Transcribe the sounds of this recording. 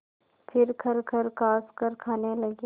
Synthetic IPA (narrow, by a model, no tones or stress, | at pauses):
fʰɪɾkʰɐɾkʰɐɾkaːskəɾkʰaːnelɐɡe